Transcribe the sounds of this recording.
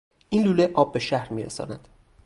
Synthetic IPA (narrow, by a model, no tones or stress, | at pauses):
ʔiːnluːleʔɒːbːe̞ʃæhɾmiːɾḛsɒ̰ːnæd̪̥